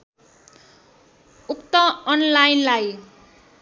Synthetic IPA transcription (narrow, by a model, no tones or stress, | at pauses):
ukt̪ʌʌnlajnlaj